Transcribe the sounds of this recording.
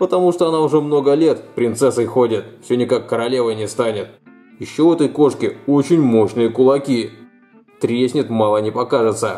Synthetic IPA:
pət̪ɐmuʂt̪oɐnaʊʐɛmno̞ɡəlʲe̞t̪pɾʲɪnt̪sɛsəɪxodʲɪt̪fsʲonʲɪkakːəɾɐlʲe̞vəjnʲɪst̪anʲɪt̪ | jɪɕːo̞vɛt̪əjko̞ʂkʲɪot͡ɕɪnʲmo̞ɕnɨjəkʊlˠɐkʲi | t̪ɾʲesʲnʲɪt̪malˠənʲɪpɐkaʐɨt̪sə

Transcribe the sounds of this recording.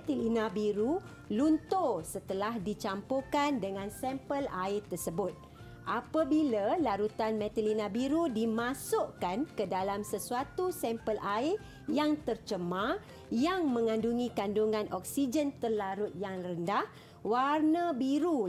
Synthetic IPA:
t̪ilinãbiɾu | lunt̪osət̪əlahdit͡ʃampokandəŋãnsɛmpəlaɪt̪ːərsəbʊt̪̚ | ʔapabilalaɾut̪anmɛ̃t̪ilinãbiɾudimãsʊʔkankədalamsəsuat̪usɛmpəlaɪ | jaŋt̪ərt͡ʃəmã | jaŋmə̃ŋãnduŋĩkanduŋãnʔɔk̚sid͡ʒənt̪ərlaɾʊt̪̚jaŋləndah | warnabiɾu

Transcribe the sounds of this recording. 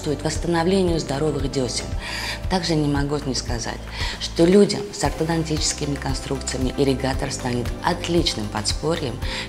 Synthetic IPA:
st̪vʊjɪt̪vəst̪ənɐvlʲenʲɪjʊzd̪ɐɾo̞vɨxdʲosʲɪ̰nt̪aɡʐɨnʲɪmɐɡunʲɪskɐza̰tʲʂt̪olʲudʲə̰msɐrt̪əd̪ɐntʲit͡ɕɪ̥skʲɪmʲɪkɐnst̪ɾukt̪sɨjəmʲɪʔɪɾʲɪɡat̪ərst̪anʲɪt̪ɐt̪lʲit͡ɕnɨmpɐ̰t̪spo̞ɾʲjɪm

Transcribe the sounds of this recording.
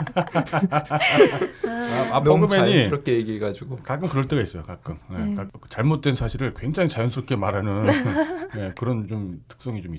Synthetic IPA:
amapʰoɡɯmeɲiɾkejeɡiɦeɡad͡ʑuɡokak͈ɯmkɯɾʌɭt͈eɡais͈ʌjokak͈ɯmnekat͡ɕaɭmot̚t͈we̞nsʰaɕʰiɾɯɭkwe̞ŋd͡ʑaŋit͡ɕajʌnsʰɯɾʌpkʰemaɾɦanɯnje̞kɯɾʌnt͡ɕomtʰɯ̥k̚s͈ʌŋit͡ɕomi

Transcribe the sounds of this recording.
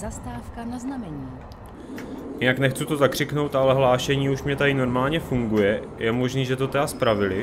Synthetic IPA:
zast̪aːfkanaznamɛɲiː | jɪnaknɛxt͡sut̪o̞t̪akr̝̥ɪkno̞wt̪ʔalɛɦlaːʃɛɲiːuʃmɲɛt̪adɪno̞ɾmaːlɲɛfuŋɡujɛjʔɛmo̞ʒniːʒɛt̪o̞t̪ɛaspɾavɪlɪ

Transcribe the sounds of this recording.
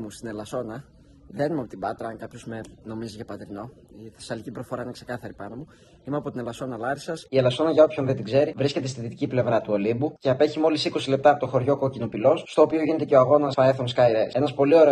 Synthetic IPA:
must̪inelɐsonɐ | ðenimeɐpot̪ibɐt̪ɾɐɐŋkɐpçozmeno̞miziʝɐpɐt̪ɾino̞ | iθesɐlicipɾofo̞ɾɐinekse̞kɐθɐɾipɐnomu | imeɐpo̞t̪inelɐso̞nɐlɐɾisɐsielɐso̞nɐʝɐo̞pço̞nðet̪iɡze̞ɾivɾisce̞t̪est̪iðit̪iciple̞vɾɐt̪uolibuceɐpeçimo̞lisiko̞sile̞p̚t̪ɐpo̞t̪oxo̞ɾʝo̞kocino̞pilo̞sːt̪o̞ːpio̞ʝine̞t̪e̞ce̞oɐɣo̞nɐfɐeθonskɐjɾesenɐspo̞lio̞ɾe

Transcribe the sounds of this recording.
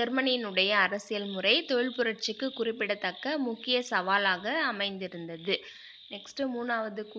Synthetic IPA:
ɛɾmɐninɯɽɐjɐːɾɐsɪjɐlmʊrɐɪt̪ɔɻɪɭpʊɾɐɾt͡ʃɯkːɯkʊrɪpːɪɽɐt̪ːɐkːɐmʊkːɪjɐsɐʋaːlaːɣɐɐmɐɪnd̪ɪɾɯnd̪ɐðɯ | nɛksʈɯmuːnːaːʋɐðɯkː

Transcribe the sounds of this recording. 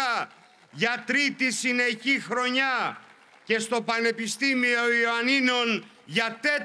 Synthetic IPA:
ɐ | ʝɐt̪ɾit̪isine̞çixɾo̞ɲɐ | ce̞st̪o̞pɐne̞pist̪imio̞ioɐnino̞n | ʝɐt̪e̞t̪

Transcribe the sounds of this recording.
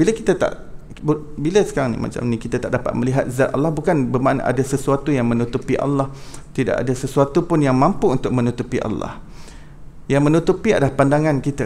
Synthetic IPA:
biləkit̪at̪a̰ʔ | bubiləsə̥kaɾaŋnḭma̰t͡ʃa̰mnĩkit̪at̪aʔdapa̰t̪̚mə̃liɦat̪̚zat̪a̰lːɑhbukanbəmanʔa̰dasəsuat̪ujaŋmə̃nut̪upiʔa̰lːɑh | t̪ida̰ʔa̰dasəsuat̪upʊnjaŋmãmpuunt̪ʊk̚mə̃nut̪upiʔa̰lːɑ̰h | jaŋmə̃nut̪upiadalahpandaŋãnkit̪a

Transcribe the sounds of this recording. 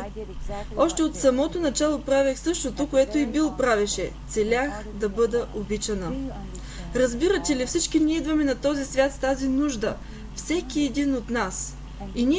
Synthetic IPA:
ɔʃt̪ɛot̪sɐmɔt̪onɐt͡ʃalˠopɾavʲixsɤʃt̪ot̪okoɛt̪oibilˠopɾavɛʃɛt̪sɛlʲax | d̪ɐbɤd̪əʔobit͡ʃɐnə | ɾɐzbiɾət̪ʲɛlifsit͡ʃkiniɛid̪vɐmɛnɐt̪ɔzisvʲjat̪ft̪azinuʒd̪ə | fsɛkiɛd̪inot̪nas | ini

